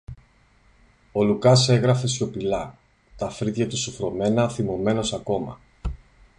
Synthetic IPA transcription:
o̞lukɐse̞ɣɾɐfe̞sco̞pilɐ | t̪ɐfɾit̪ʝɐt̪usufɾo̞me̞nɐθimo̞me̞no̞sɐko̞mɐ̰

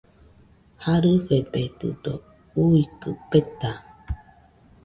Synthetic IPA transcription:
haɾɨɸebet̪ɯ̰d̪o | uikɯpet̪a

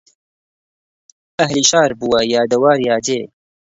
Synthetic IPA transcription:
ɐɦliːʃaːɾbuwɐjaːd̪ɐwaːɾjaːd͡ʒeː

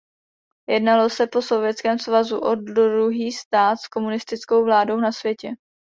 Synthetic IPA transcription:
jɛdnalo̞sɛpo̞so̞vjɛt̪t͡skɛːmsvazuʔodɾɾuɦiːst̪aːt̪sko̞munɪst̪ɪt͡sko̞wvlaːdo̞wnasvjɛcɛ

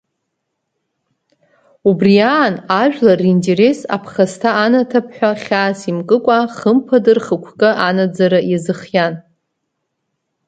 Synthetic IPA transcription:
ubriaːnaʒᶣlarindeɾesa̰pʰχastʰaːnatʰapʰħʷᶣaχʲaːsimkʼɨkʷʼaχəmpʰadɨrχəkʷʰkʼɨʔanad͡zaɾɨjazɨχjan

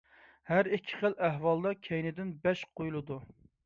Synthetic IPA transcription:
hæɾikʲʰːɪ̥χəlæɦwɑlˠd̪ɑkʲʰɛjnɪd̪ɪnbɛʃqʰojulˠɨd̪u

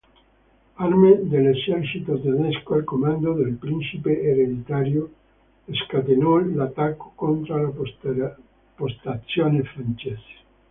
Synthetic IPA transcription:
aɾmed̪elesɛɾt͡ʃit̪od̪anɛskoalkomand̪oðelpɾinsipeʔeɾed̪it̪aɾjo | eskat̪enolat̪akːo̥kont̪ɾala | post̪at̪sjonefɾant͡ʃese̥

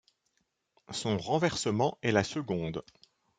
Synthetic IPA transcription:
sɔ̃ʁɑ̃vɛʁsəmɑ̃ɛlasəɡɔ̃d̪

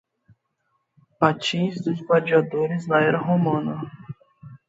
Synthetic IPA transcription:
pat͡ʃĩzd̪ʊzɡwad͡ʒiad̪oɾɪznɐɛɾɐɦomɐ̃nɐ

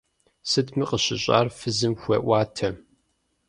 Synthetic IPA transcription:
sɨtmiːqəɕɪɕʼa̰ːrfɨzɨmxʷɐʔʷɑːtʰɐ

